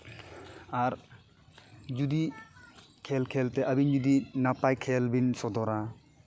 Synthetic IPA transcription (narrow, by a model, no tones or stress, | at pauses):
aɾ | d͡ʒud̪i | kʰɛlkʰɛlt̪ɛʔabind͡ʒud̪inapajkʰɛlbinsɔd̪ɔɾa